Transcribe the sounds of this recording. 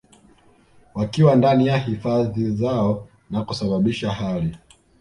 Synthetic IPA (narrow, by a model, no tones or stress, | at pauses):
wakiwandanijahifaðizaɔ | nakusaɓaɓiʃaɦali